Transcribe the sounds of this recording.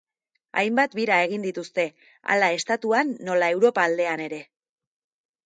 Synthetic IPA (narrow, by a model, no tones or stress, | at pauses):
a̰jmbat̪biɾae̞ɣ̞ind̪it̪ust̪e̞ | a̰lae̞st̪at̪uanːo̞lae̞wɾo̞paːld̪e̞ane̞ɾe̞